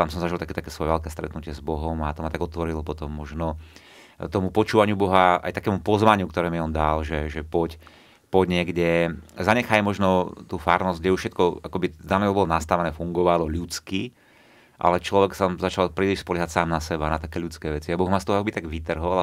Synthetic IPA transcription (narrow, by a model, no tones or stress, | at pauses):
t̪amsɔmzaʒilˠt̪akɛːt̪akɛːsʋɔjɛʋɛʎkɛːst̪ɾɛ̰t̪nucɪɛzbɔɦɔmat̪ɔmat̪aɡɔt̪ʋɔɾilɔpɔt̪ɔmːɔʒnɔ | t̪ɔmupɔt͡ʃuːʋaɲɪubɔɦaʔa̰jt̪akɛːmupɔzʋaɲɪukt̪ɔɾɛːmiɔnd̪alʒɛʒɛpɔc | pɔɟɲɪɛɡɟɛzaɲɛxaːjmɔʒnɔt̪uːfaːɾnɔzɡɟɛjufʃɛt̪̚kɔakɔbid̪anɛɔbɔlɔnast̪aʋɛnɛːfuŋɡɔʋalɔʎut͡ski | ʔa̰lɛt͡ʃlɔʋɛksamzat͡ʃalpɾiːliʃspɔlʎɛɦatsaːmnasɛbanat̪akɛːʎut͡skɛːʋɛt͡siabɔɣmast̪ɔɦɔakɔbit̪aɡʋit̪r̩ɦɔla